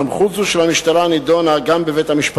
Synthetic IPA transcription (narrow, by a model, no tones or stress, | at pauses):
mχuzuʃelamiʃt̪alanid̪onaɡambeve̞jthamiʃp